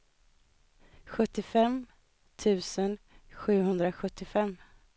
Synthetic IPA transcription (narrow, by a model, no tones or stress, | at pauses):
ɧɵt̪ːɪfɛm | t̪ʰʉ̟ːsənɧʉ̟ːɦɵnd̪ɾaɧɵt̪ːɪfɛmː